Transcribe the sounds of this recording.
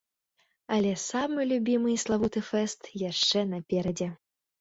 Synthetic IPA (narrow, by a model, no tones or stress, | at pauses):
ɐlʲɛsamɨlʲubʲimɨjslˠavut̪ɨfɛst̪jaʂt͡ʂɛnɐpʲɛɾɐd͡zʲɛ